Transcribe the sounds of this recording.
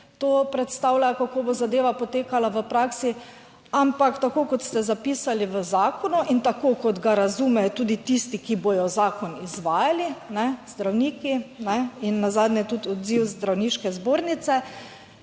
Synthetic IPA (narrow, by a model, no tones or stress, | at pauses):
t̪oːpɾɛt̪st̪awlakakoːbozad̪eːʋapɔt̪eːkalaʋəpɾaksi | ampakt̪akoːkɔt̪st̪ɛzapiːsaliʋəzaːkɔnuʔint̪akokɔd̪ɡaɾazuːmɛjt̪ud̪it̪ist̪ikibojɔzaːkɔnizʋaːjalinɛzd̪ɾawniːkinɛinːazad̪nɛt̪ut̪ɔd̪ziwzd̪ɾawniːʃkɛzboːɾnit̪sɛ